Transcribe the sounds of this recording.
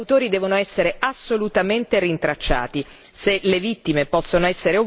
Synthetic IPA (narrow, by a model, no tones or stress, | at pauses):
t̪oːɾid̪ɛːvonoɛsːeɾeʔasːolut̪ament̪erint̪ɾat͡ʃːa̰ːt̪i | selevit̪ːimepɔsːonoɛsːeɾeo